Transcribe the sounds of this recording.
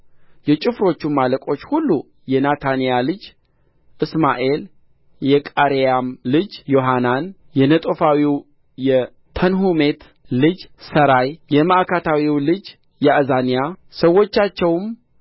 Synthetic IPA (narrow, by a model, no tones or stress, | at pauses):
jɛt͡ʃʼɪfɾo̞t͡ʃːumːaləkʼo̞t͡ʃːhulːu | jɛnat̪ʰanijalɨd͡ʒ | ʔɨsmaʔe̞l | jɛkʼaɾejamlɨd͡ʒjo̞ɦanan | jɛnət̪ʼo̞fawiw | jɛ | t̪ʰənɦume̞t̪ | lɨd͡ʒsəɾajjɛmaʔkʰat̪ʰawiwlɨd͡ʒ | jɛʔɨzanijasəwːo̞t͡ʃːat͡ʃːɛwm